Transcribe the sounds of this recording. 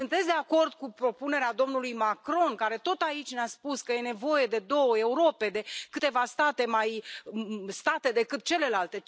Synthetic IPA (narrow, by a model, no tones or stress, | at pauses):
sɨnt̪e̞t̪sʲd̪e̞ako̞rd̪kupɾo̞pune̞ɾead̪o̞mnulujmakɾo̞nkaɾe̞t̪o̞t̪ait͡ʃʲneaspuskəje̞ne̞vo̞je̞d̪e̞d̪o̞wəe̞uɾo̞pe̞d̪e̞kɨt̪e̞vast̪at̪e̞maj | st̪at̪e̞d̪e̞kɨt̪̚t͡ʃe̞le̞lalt̪e̞